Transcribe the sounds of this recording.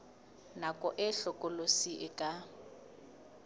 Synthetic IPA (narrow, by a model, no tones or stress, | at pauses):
nakʼɔʔɪɬɔkʼʊlosiʔɪkʼa